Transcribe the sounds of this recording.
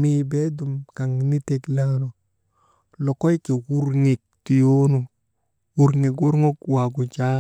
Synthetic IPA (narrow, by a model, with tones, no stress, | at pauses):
mi˨be˦du˨mka˨ŋni˦te˨kla˦ŋno˨ | lo˨kɔ˦jke˨ku˦ɾŋi˨k̚ti˨jo˦no˨ | wu˦ɾŋe˨k̬wu˦ɾŋo˦kwa˨ɡu˨t͡ʃa˦